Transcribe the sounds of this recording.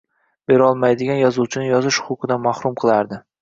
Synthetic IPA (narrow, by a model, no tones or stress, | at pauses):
be̞ɾɒlˠmajd̪ɪɡʲanjɒzuwt͡ʃʰɪnɪjɒzɪʃʊʊqʰɨd̪amahɾʊmqʰɨlˠaɾd̪ɪ